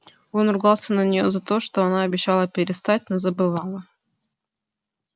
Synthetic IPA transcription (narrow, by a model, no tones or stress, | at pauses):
o̞nrʊɡalˠsʲənənʲɪjozɐt̪o̞ʂt̪oɐnaɐbʲɪɕːalˠəpʲɪɾʲɪst̪at̚ʲnozəbɨvalˠə